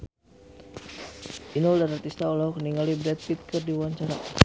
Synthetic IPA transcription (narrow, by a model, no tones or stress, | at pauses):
ʔinɔldaɾart̪ist̪aulɔkəniŋalibɾɛt̪̚pit̪̚kərdiuaɲt͡ʃaɾa